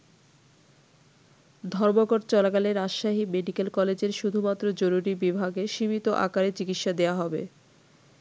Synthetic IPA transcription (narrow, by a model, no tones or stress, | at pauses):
d̪ʱɔɾmoɡoɖt͡ɕɔlakaleɾaʃːaɦimeɖikelkɔled͡ʑeɾʃud̪ʱumat̪ːɾod͡ʑoɾuɾibibʱaɡeʃimit̪oʔa̰kaɾet͡ɕikit̪ʃad̪eaɦɔbḛ